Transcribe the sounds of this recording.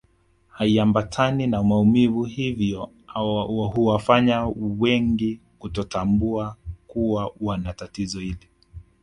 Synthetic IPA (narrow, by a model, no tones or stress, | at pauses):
haiambatʰaninamaumivuhivjɔ | huwafaɲawɛŋɡi | kutɔtambuakuwawanatatizɔhili